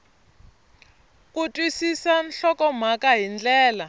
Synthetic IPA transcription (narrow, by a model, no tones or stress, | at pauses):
k̬ʼutʼwisisanɬɔkɔm̤akaɦind͡ɮɛːla